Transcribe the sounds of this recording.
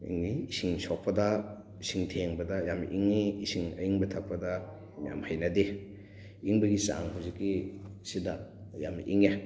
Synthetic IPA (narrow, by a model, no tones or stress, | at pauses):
ḭŋniisiŋsɔk̚pɐdɐ | isiŋtʰeŋbɐdɐjamʔiŋːiːsiŋɐ̰iŋbɐtʰak̚pɐdɐ | mja̰mhajnɐde | iŋbɐɡisa̰ŋhuwzikːisidajamʔḭŋe